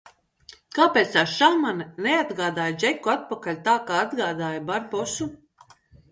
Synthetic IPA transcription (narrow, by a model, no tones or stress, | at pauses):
kaːpeːt̪saʃamannead̪ɡaːd̪aːjd͡ʒɛkːuat̪̚pakalʲt̪aːkaːad̪ɡaːd̪aːjbaɾbɔsu